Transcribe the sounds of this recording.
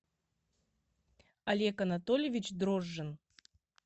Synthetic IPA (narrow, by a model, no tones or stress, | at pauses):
ɐlʲekɐnat̪olʲɪvʲɪt͡ɕd̪ɾoʐːɨn